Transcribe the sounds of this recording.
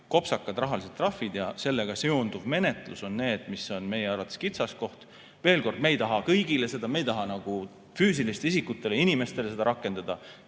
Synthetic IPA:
ko̞psɑkːˑɑd̪ɾrɑɦɑlis̬et̪t̪ːˑrɑfːid̪jɑse̞lːe̞ɡ̥ɑseond̪uvme̞ne̞t̪ˑlṵso̞nːe̞ːd̪̥miso̞nme̞jeɑɾɑt̪ˑeskit̪sɑsko̞ht̪ | ve̞ːlko̞rd̪̥̚me̞jt̪ɑɦɑkɤjɡile̞se̞d̪ɑmejt̪ɑɦɑnɑɡ̥u | fyːs̬ilist̪eisikːˑut̪ːˑe̞leinime̞st̪e̞lese̥ɑ̰ɾɑkːˑe̞nd̪̥ɑd̪̥ɑ

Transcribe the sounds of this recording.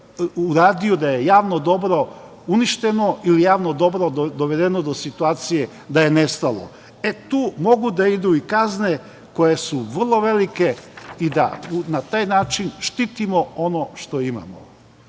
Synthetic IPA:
uɾaːd̪ijud̪aje̞jaːʋno̞d̪o̞bɾo̞ | uniʃt̪e̞no̞ilijaːʋnod̪o̞bɾod̪o̞ʋe̞d̪e̞nod̪osit̪uaːt̪sije̞ | d̪aje̞nest̪alˠo̞̰ | et̪uːmo̞ɡud̪aid̪uikazne̞ | ko̞je̞suʋr̩lˠo̞ʋe̞like̞id̪a̰unat̪aːjnaːt͡ʃinʃt̪it̪imo̞o̞no̞ʃt̪o̞ima̰mo̰

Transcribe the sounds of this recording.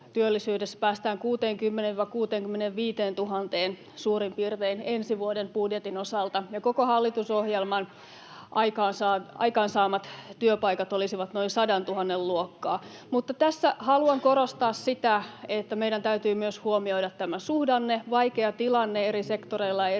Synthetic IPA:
t̪yølːisyːdesːæ̥pæːst̪æːŋkuːt̪eːŋkymːeneʋʋɑkuːt̪eːŋkymːeneʋʋiːt̪eːnt̪uɦɑnt̪eːn | suːrimpiːrt̪einensiʋuodempudjet̪inosɑlt̪ɑjɑkokohɑlːit̪usohjelmɑn | ʔɑikɑːnsɑːɑ̰ikɑːnsɑːmɑt̪t̪yøpɑikɑt̪olisiʋɑt̪no̞insɑdɑnt̪uhɑnːelluokːɑː | mut̪ːɑt̪æsːæhɑluɑŋkoɾost̪ɑːssit̪æet̪ːæmeiɾænt̪æyt̪yːmyøshuomioiɾɑt̪t̪æmæsuhdɑnːeʋɑikeɑt̪ilɑnːeeɾisekt̪oreilːɑe

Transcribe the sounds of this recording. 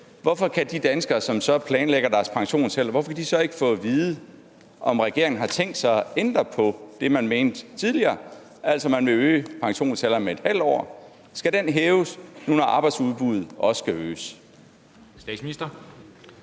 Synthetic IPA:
ʋɒfɒ̽kʰæd̥id̥ænsɡ̥ɐsɒ̽msɒ̽pʰlɛːnleɡ̥ɐdæɐspʰɑ̈ŋɕo̝̰ːnsel̰ɐʋɒfɒ̽kʰæd̥isɒ̽e̝ɡ̥əfɔ̰̽ːʋiːð̩ˠə | ʔɒ̽mʁɛɡ̥e̝ɐeŋn̩ɦɑ̈t͡sʰeŋ̰d̥sɑ̈ɪɒend̥ʁɐpʰɒ̽d̥e̝mænme̝ːnd̥t͡sʰið̞ˠliɐː | ʔæl̰sɒmænʋe̝øːpʰɑ̈ŋɕo̝̰ːnsel̰ɐmeed̥hæl̰d̥ɒ̰ː | sɡ̥æɾ̥enɦeːʊsnunɒʔɑ̈ːb̥ɑ̈ɪd̥suðˠb̥uð̩ˠʔɒ̽ssɡ̥æø̰ːs | sd̥ɛ̰̥sminisd̥ɐ

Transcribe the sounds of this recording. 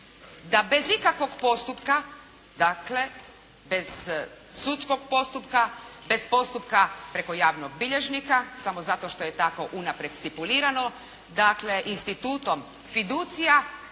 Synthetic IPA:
d̪abe̞zikakʋo̞ɡpo̞st̪upka | d̪akle̞ | be̞z̥ | sut̪sko̞ɡ̚po̞st̪upkabe̞spo̞st̪upkapɾe̞ko̞jaːʋnoɡ̚biʎe̞ʒnikasamozat̪o̞ʃt̪o̞je̞t̪ako̞ʔunapɾed̪st̪ipuliːɾano̞ | d̪akle̞ʔinst̪it̪uːt̪o̞m | fid̪ut̪sija

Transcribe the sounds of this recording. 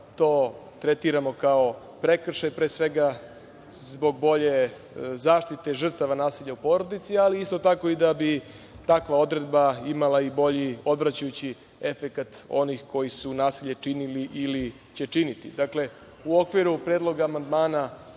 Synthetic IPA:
t̪o̞ː | t̪ɾe̞t̪iɾamo̞kao̞ | pɾe̞kr̩ʃajpɾeːsʋe̞ɡa | zzbo̞ɡ̚bo̞ʎe̞ | zaːʃt̪it̪e̞ʐr̩t̪aʋanaːsiʎaupo̞ːɾo̞d̪it̪sialiist̪o̞t̪ako̞id̪abi | t̪akʋao̞d̪ɾe̞d̪̚baimalˠaibo̞ʎio̞d̪ʋɾat͡ɕajut͡ɕi | e̞fe̞kat̪o̞̰nixkʰo̞jisunaːsiʎe̞t͡ʂiniliʔili | t͡ɕe̞t͡ʂinit̪ḭd̪akle̞ | uo̞kʋiɾupɾe̞ːd̪lˠo̞ɡaːmand̪maːna

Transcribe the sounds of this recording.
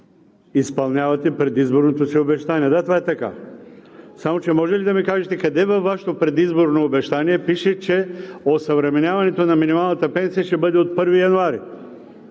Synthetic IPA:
ispɐlˠnʲavɐt̪ɛpɾɛd̪izboɾnot̪osiobɛʃt̪aniɛd̪at̪ovaɛt̪ɐka̰ | samot͡ʃɛmɔʒɛlid̪ɐmikaʒɛt̪ɛkɐd̪ɛvɐfːaʃɛ̥t̪opɾɛd̪izboɾnoːbɛʃt̪aniɛpiʃɛt͡ʃɛosɐvɾɛmɛnʲavɐnɛt̪onɐminimalˠnɐt̪əpɛnsijəʃɛbɤd̪ɛot̪̚pɤɾvijɐnoaɾi

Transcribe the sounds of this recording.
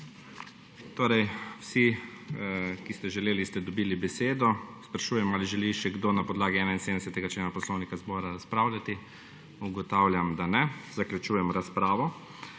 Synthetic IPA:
t̪oːɾɛjwsi | kist̪ɛʒɛleːlist̪ɛd̪ɔbiːlibɛseːd̪ɔspɾaʃuːjɛmaːliʒɛliʃɛɡd̪onapɔd̪laːɡiɛːnainseːd̪nɛsɛt̪ɛɡat͡ʃleːnapɔslɔwnikazbɔːɾaɾaspɾaːwlʲjat̪i | uɡɔt̪aːwlʲjamd̪anɛzaklʲjut͡ʃuːjɛmɾaspɾaːʋɔ

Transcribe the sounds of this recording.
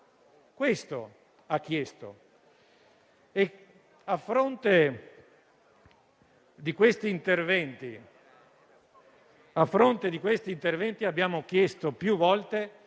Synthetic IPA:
kwest̪o̰ | ak̟ːjɛst̪o̰ | e | afːɾont̪e | d̪ikwest̪iːnt̪ervɛnt̪i | afːɾont̪ed̪ikwest̪iːnt̪ervɛnt̪iabːjaːmok̟jɛst̪opjuvɔlt̪e

